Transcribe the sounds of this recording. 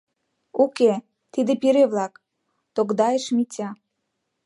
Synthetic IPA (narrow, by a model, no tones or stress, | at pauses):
uke | t̪id̪epiɾeβlɑk | t̪oɡd̪ɑjeʃmitʲɑ